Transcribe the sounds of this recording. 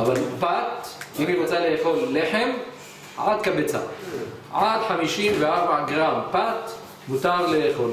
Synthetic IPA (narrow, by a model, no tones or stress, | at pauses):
ʔavalpat̪ʔimimat͡saleexolːeħem | ʕad̪̚kabet͡sa̰ | ʕad̪ħamiʃinveaɾbaʕɡʁampat̪ | mut̪aɾleexol